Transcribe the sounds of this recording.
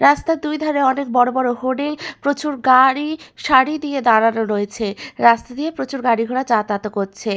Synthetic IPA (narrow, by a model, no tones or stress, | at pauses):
ɾast̪ad̪ujd̪ʱɔɾeɔnek̚bɔɾobɔɾoɦoɖepɾot͡ɕuɾɡaɾiʃaɽid̪ied̪aɽanoɾojet͡ɕʰeɾast̪ad̪iepɾot͡ɕuɾɡaɽiɡʱoɽat͡ɕat̪at̪okoɾt͡ɕʰe